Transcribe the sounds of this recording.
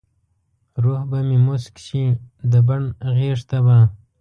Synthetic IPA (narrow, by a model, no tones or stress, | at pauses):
ɾohbamimuskʃid̪əbaɳɣeʂt̪aba